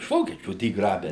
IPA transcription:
ɪʃ ˈʋoːkʲiɛt͡ʃʲuː ˈdʲiː ˈɡrɑːbʲɛ

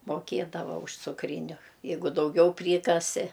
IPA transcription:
moːˈkʲiɛdɐʋɐ ʊʃ t͡sʊkˈrʲiːnʲʊ ˈjɛɪɡʊ dɐʊˈɡʲɛʊ ˈpʲrʲiːkɐsʲɪ

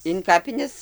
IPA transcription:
ɪn ˈkɑːpʲɪnʲɛs

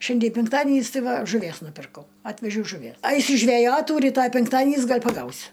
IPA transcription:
ˈʃʲɛnʲdʲiɛ pʲɛŋkˈtɑːdʲiɛnʲiːs ˈtɐɪ ˈʋɐ ʒʊˈʋʲiɛs nʊˈpʲɪrkɐʊ ˈɑːtʲʋʲɛʒʲɛʊ ʒʊˈʋʲiɛ ˈɐɪsʲʊ ʒʲʋʲɛˈjoːtuː rʲiːˈtoːj pʲɛŋkˈtɑːdʲiɛnʲiːs ˈɡɐlʲ pɐˈɡɐʊsʲʊ

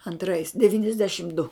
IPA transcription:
ɐnˈtrɐɪs dʲɛʋʲiːnʲɛzʲˈdʲæːʃʲɪm dʊ

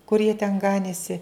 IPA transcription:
kʊr jiɛ tʲɛn ˈɡɑːnʲeːsʲɪ

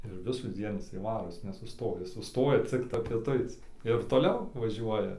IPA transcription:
ɪr ʋʲɪsuːˈd͡zʲiɛn ˈɪsɐɪ ˈʋɑːroː ˈjɪs nʲɛsʊˈstoːjɛ ˈjɪs sʊˈstoːjɛ ˈt͡sʲɪktɐ pʲiɛˈtʊɪt͡s ɪr toːˈlʲɛʊ ʋɐˈʒʲuɔjɛ

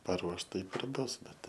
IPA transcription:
pɐˈruɔʃ ˈtɐɪp ɪr ˈbʊs ˈbʲɛt ˈtɐɪ

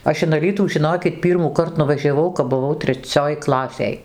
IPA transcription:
ˈɐʃ ɪn ɐˈlʲiːtuː ʒʲɪˈnoːkʲɪt ˈpʲiːrmɑːkɐrt nʊʋɐˈʒʲæːʋɐʊ kɐp bʊˈʋɐʊ tʲrʲɛˈt͡sʲoːj ˈklˠɑːsʲeːj

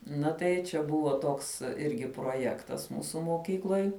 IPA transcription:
ˈnɐ tɐɪ t͡ʃʲɛ ˈbʊʋoː ˈtoːks ˈɪrʲɡʲɪ proːˈjæːktɐs ˈmuːsʊ moːˈkʲiːklˠoːj

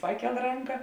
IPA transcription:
ˈpɑːˌkʲɛlˠ ˈrɐŋkɐ

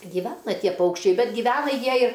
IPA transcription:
ɡʲiːˈʋʲæːnɐ ˈtʲiɛ ˈpɐʊkʃʲt͡ʃʲɛɪ ˈbʲɛt ɡʲiːˈʋʲæːnɐ ˈjiɛ ɪr

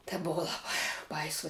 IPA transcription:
tʲeː ˈbʊʋoː lˠɐˈbɐɪ ˈbɐɪsoː

